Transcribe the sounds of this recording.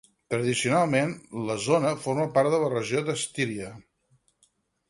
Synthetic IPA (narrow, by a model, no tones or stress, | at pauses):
t̪ɾəðisiunalˠmenləzonəforməpaɾðələrəʒiod̪əst̪iɾiə